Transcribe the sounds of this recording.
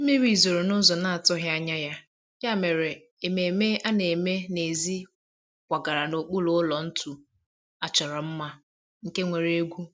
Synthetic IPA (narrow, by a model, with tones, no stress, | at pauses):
m̩˦me˦ɾi˨zo˨ɾo˨nʊ˦zɔ˨na˦a˨tɔ˦ɦja˦ɲa˦ja˦ | ja˦˨me˨ɾe˨ | e˨me˨me˦a˦ne˨me˦ne˨zi˦ | kʷa˨ɡa˨ɾa˨no˨k͡pʊ˦lʊ˦ʊ˦lɔ˨n̩˦tʰu˨ | a˨t͡ʃɔ˨ɾɔ˨m̩˦ma˦ | ŋ̩˨ke˦ŋʷe˨ɾe˦ɡʷu˦